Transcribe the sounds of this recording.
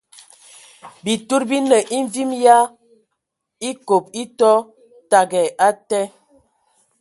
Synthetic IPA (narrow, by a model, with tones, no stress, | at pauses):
bi˨tu˦ɾbi˦nə˨ʔi˦ɱ˦vi˦mja˦ | i˦ko˨p̚i˦tɔ˦ | ta˨ɡɛ˨ʔa˦tɛ˦